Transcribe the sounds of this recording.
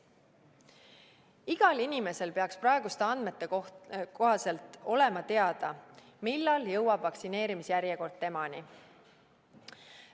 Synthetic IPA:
iɡ̥ɑlinime̞se̞lpe̞ɑksprɑe̞ɡ̥ust̪e̞ɑnd̪met̪ːˑe̞ko̞ɦɑse̞lt̪ːˑo̞le̞mɑt̪e̞ɑd̪̥ɑ | milːɑljɤwɑb̥vɑksine̞ːɾimisjæɾjeko̞rd̪̥̚t̪e̞mɑni

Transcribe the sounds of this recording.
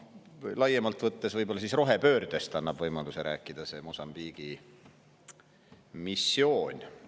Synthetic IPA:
jlɑjːemɑlt̪ˑvɤt̪ːesvɤjb̥olːɑsisro̞ɦe̞pø̞ːrd̪̥e̞st̪ɑnːɑb̥vɤjmɑd̪useɾæ̰ːkːˑid̪̥ɑse̞mosɑmb̥iɡ̥i | misːjo̞ːnʲ

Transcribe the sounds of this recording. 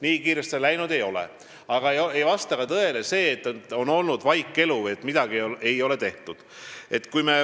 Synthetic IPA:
niːkiːɾest̪selæjnud̪̥e̞jo̞lḛ | ɑɡ̥ɑeejvɑst̪ɑkɑt̪ɤe̞le̞se̞ːt̪ːˑo̞no̞lnud̪̥vɑjkːˑe̞luvje̞t̪ːˑmid̪̥ɑɡ̥ie̞jo̞le̞t̪e̞ht̪ud̪̥e̞t̪ːkujme

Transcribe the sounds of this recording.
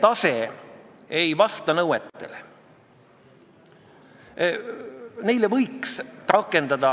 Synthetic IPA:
t̪ɑse | ejvɑst̪ɑnɤwet̪ːˑe̞le | ne̞jlevɤjksrɑkːˑe̞nd̪̥ɑd̪ɑ

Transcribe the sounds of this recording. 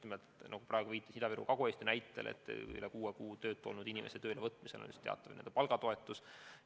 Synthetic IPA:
imelt̪nɑɡ̥uprɑeɡuviːt̪ːˑisid̪ɑviɾṵkɑɡoeːsʲt̪jɑnæjt̪ːˑelḛt̪ːˑy̰lɛkuːekuːt̪ø̞ːt̪ːˑolnud̪̥inʲimʔeset̪ø̞ːlevɤt̪ːˑmiselʔo̰nʲṵst̪e̞ɑ̰t̪ːˑɑvnend̪epɑlɡɑt̪o̞e̞t̪ːˑus

